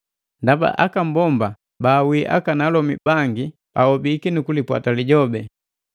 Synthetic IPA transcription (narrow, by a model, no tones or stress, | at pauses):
ndaba̰ʔakam̩bɔmba | baːwiʔa̰kanalɔmibaŋɡi | ahɔbikinukulipwa̰taliɟɔbɛ